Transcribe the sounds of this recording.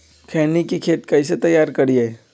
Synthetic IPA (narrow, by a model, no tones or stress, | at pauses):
kʰɛːnikikʰeːt̪kɐɪs̬et̪ɐjːaːɾkɐɾie